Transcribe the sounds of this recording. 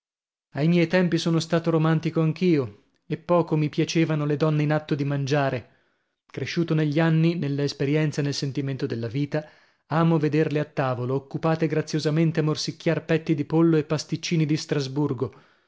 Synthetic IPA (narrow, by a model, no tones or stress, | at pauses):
ajmjɛjt̪ɛmpisoːnost̪aːt̪oɾomant̪ikoaŋk̟ʰiːo | epːɔːkomipjat͡ʃeːvanoled̪ɔnːeinat̪ːod̪imand͡ʒaːɾe | kɾeʃːuːt̪oneʎːianːinelːaespeɾjɛnt̪sanelsent̪iment̪od̪elːaviːt̪a | aːmoved̪erleat̪ːaːvoloːkːupaːt̪eɡɾat̪sːjozament̪eamːorsikʲːjarpɛt̪ːid̪ipolːoepːast̪it͡ʃːiːnid̪ist̪ɾazburɡo